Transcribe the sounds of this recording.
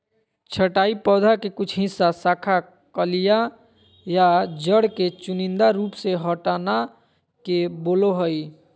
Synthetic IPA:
t͡ʃʰəʈaːipɔːd̪ʱakekʊt͡ʃʰɦɪ̃sasakʰa | kəlija | jad͡ʒəɽket͡ʃunind̪aɾuːpseɦəʈana | keboloɦəj

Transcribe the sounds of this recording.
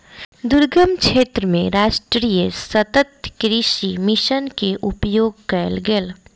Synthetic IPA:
d̪ʊɾɡəmkʰeːt̪ɾəmẽɾaːʃʈɾijəsɐt̪ət̪kɾɪʃimɪʃənkeʔʊpjoːɡkɐjlɡel

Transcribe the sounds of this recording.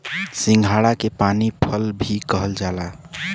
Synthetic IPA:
sĩŋɡʱaɽakepanipʰəlbʱikəɦəld͡ʒaːla

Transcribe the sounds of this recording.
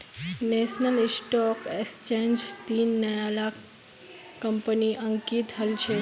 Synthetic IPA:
nesnəlisʈɔːkekst͡ʃẽːnd͡ʒt̪iːnːəjalaːk | kːəmpəniʔəŋkiːt̪ɦɐlt͡ʃʰe

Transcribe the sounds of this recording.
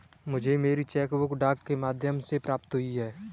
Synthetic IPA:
mʊd͡ʒʱemeːɾit͡ʃɛːkʋokɖaːkːemaːd̪ʱjəmsepɾaːp̚t̪ɦʊiɦɛː

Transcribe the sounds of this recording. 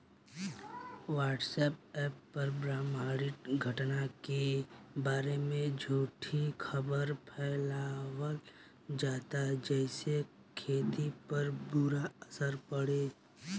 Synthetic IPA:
ʋaːʈsɛːp̚ɛːpːɐɾbɾaːmaːɽɪʈ̪ɡʱəʈnakebaːɾemẽd͡ʒʱoːʈʰikʰəbəɾpʰɛːlawəl | d͡ʒaːt̪ad͡ʒɛːse | kʰeːt̪ipɐɾbuɾaəsəɾpəɽeː

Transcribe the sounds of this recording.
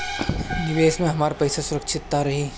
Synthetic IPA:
nɪʋeːsmẽɦɐmaːɾpɐjsasʊɾəkʃʰɪt̪ːaɾɐɦiː

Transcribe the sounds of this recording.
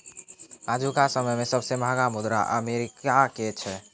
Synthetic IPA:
aːd͡ʒʱukasəməjmẽsəbsebʱaɡamʊd̪ɾa̰ʔə̰meɾɪkaket͡ʃʰɛ

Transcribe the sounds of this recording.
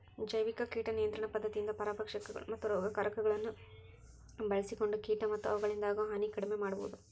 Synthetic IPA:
d͡ʒɐjʋikɐkiːʈɐnijɐnt̪ɾɐɳɐpɐd̪ːɐt̪iind̪ɐpɐɾaːbɐkʂɐkːɐɡɐ̰ɭmɐt̪ːuɾɐɡɐkɐɾɐkɐɡɐɭɐnːu | bɐɭɐsiko̞ɳɖukiːʈɐmɐt̪ːuɐʋuɡɐɭind̪aːɡɐɦɐnikɐɽimemaːɽubo̰ʋud̪u

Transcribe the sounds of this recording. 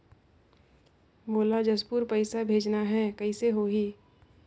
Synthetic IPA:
boːlad͡ʒɐspuɾpəɪsabʱeːd͡ʒnaɦɛkəɪseɦoɦiː

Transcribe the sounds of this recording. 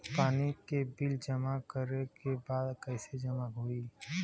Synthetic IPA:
paːnikebɪld͡ʒəmakəɾekebaːd̪kɛːsed͡ʒəmaɦoːiː

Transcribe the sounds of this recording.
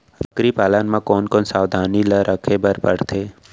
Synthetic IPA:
əkɾipaːlanmãkoːnkoːnsaːʋd̪ʱaːniləɾʔəkʰebəɾpəɽt̪ʰeː

